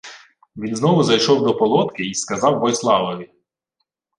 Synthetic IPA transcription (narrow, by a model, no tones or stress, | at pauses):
ʋʲinznɔʋʊzɐjʃɔwd̪ɔpɔlˠɔt̪kɪiskɐzɑwbɔjslˠɑʋɔʋʲi